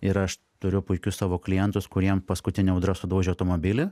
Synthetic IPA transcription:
ɪɾɐʃ | t̪ʊɾʲʊpʊɪkʲʊssɑːʋoːklʲɪjɛnt̪ʊskʊɾʲiɛmpɐskʊt̪ʲɪnʲɛʊd̪ɾɐsʊd̪uːʒʲeɐʊt̪oːmoːbʲɪlʲɪ

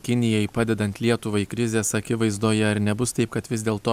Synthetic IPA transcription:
kʲɪnʲɪjɛjpɑːd̪ʲɛd̪ɐnt̪ʲlʲiɛt̪ʊʋɐɪkɾʲɪzʲeːsɐkʲɪʋɐɪzd̪oːjɛɐɾnʲɛbʊst̪ɐɪpkɐt̪ʋʲɪszd̪ʲeːlˠt̪oː

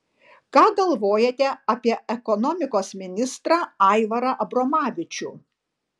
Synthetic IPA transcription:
kɑːɡɐlˠʋoːjɛt̪ʲɛɐpʲiɛɛkɔnɔːmʲɪkoːsmʲɪnʲɪst̪ɾɑːɐɪʋɐɾɐʔɐbɾɔmɑːʋʲɪt͡ʃʲuː

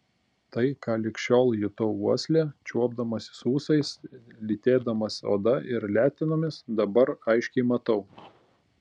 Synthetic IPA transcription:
t̪ɐɪkɑːlʲɪkʃʲoːlˠjʊt̪oʊuɔsʲlʲeːt͡ʃʲuɔbd̪ɐmɐsʲɪ̥suːsɐɪslʲit̪ʲeːd̪ɐmɐso̰ːd̪ɐʔɪɾlʲæːt̪ʲɪnoːmʲɪsd̪ɐbɐɾɐɪʃʲkʲɛɪmɐt̪ɐʊ

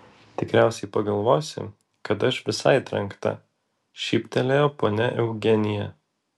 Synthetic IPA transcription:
t̪ʲɪkɾʲæˑʊsʲɛɪpɐɡɐlˠʋoːsʲɪ̰ | kɐt̪ɐʃʋʲɪsɐɪt̪ʲɾʲɐŋkt̪ɐ̰ | ʃʲiːpʲt̪ʲɛlʲejoːpoːnʲɛʔɛʊɡʲɛnʲɪjɛ

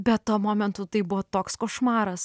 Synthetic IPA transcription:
bʲɛt̪toɔmoːmʲɛnt̪ut̪ɐɪbʊʋɔːt̪oːkskoːʃmɑːɾɐs

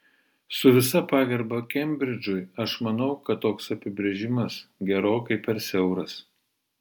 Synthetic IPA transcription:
sʊʋʲɪsɐpɑːɡʲɐɾbɐkʲɛmʲbʲɾʲɪd͡ʒʲʊɪɐʃmɐnɐʊkɐt̪ːoːksɐpʲɪbʲɾʲɛʒʲɪmɐsɡʲɛɾoːkɐɪpʲɛɾsʲɛʊɾɐs

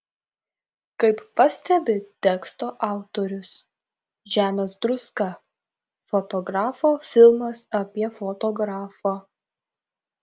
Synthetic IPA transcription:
kɐɪpːɐsʲt̪ʲɛbʲɪt̪ʲɛkst̪oːʔɑˑʊt̪oːɾʲʊs | ʒʲæːmʲeːsd̪ɾʊskɑ | fɔt̪ɔɡɾɑːfoːfʲɪlˠmɐsɐpʲiɛfɔt̪ɔɡɾɑːfɑ

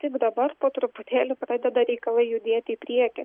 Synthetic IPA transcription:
t̪ʲɪɡd̪ɐbɐɾpoːt̪ɾʊpʊt̪ʲeːlʲʊpɾɑːd̪ʲɛd̪ɐɾʲɛɪkɐlˠɐɪjʊd̪ʲeːt̪ʲɪiːpʲɾʲiɛkʲɛ

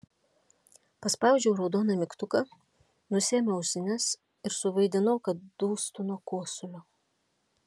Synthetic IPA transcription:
pɐspɑʊd͡ʒʲɛʊɾɒʊd̪oːnɐmʲɪkt̪ʊkɐ | nʊsʲeːmʲɛʊʃʲsʲɪnʲɛs | ɪɾsʊʋɐɪd̪ʲɪnoːkɐt̪̚d̪̥uːst̪ʊnuɔkuɔsʊlʲoː

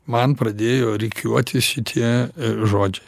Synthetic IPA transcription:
mɐnpɾɐd̪ʲeːjoːɾʲɪkʲʰuɔt̪ʲɪsʃʲɪt̪ʰʲiɛʒoːd͡ʒʲɛɪ

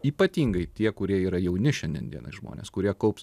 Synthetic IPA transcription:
iːpɐt̪ʲiːŋɡɐɪt̪ʲiɛkʊɾʲiɛiːɾɐjɛʊnʲɪʃʲɛnd̪ʲiɛ̰nd̪ʲḭɛnɐ̰ɪsʒmo̰ːnʲḛskʊɾʲiɛkɐʊps

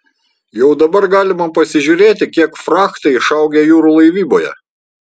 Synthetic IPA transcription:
jɛʊd̪ɐbɐɾɡɑːlʲɪmɐpɐsʲɪʒʲuːɾʲeːt̪ʲɪkʲiɛkfɾɑːkt̪ɐɪʃɐʊɡʲeːjuːɾuːlˠɐɪʋʲiːboːjɛ̰

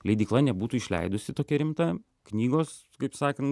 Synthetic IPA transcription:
lʲɛɪd̪ʲiːklˠɐnʲɛbuːt̪uːɪʃʲlʲɛ̰ɪd̪ʊsʲɪt̪oːkʲɛɾʲɪmt̪ɐ | knʲiːɡoːs | kɐɪpsɑːkɐn

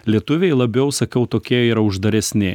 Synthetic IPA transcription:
lʲiɛt̪ʊʋʲɛɪlˠɐbʲɛʊsɐkʲɛʊt̪oːkʲiɛiːɾɐʊʒd̪ɐɾʲɛsʲnʲɪ

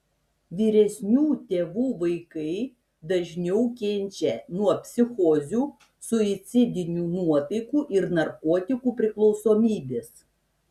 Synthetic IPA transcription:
ʋʲiːɾʲɛsʲnʲuːt̪ʲeːʋuːʋɐɪkɐɪ | d̪ɐʒʲnʲɛʊkʲɛnʲt͡ʃʲɛnuɔpʲsʲɪxoːzʲuː | sʊɪt̪sʲɪd̪ʲɪnʲuːnuɔt̪ɐɪkuːʔɪɾnɐɾkoːt̪ʲɪkuːpʲɾʲɪklˠɔʊsoːmʲiːbʲeːs

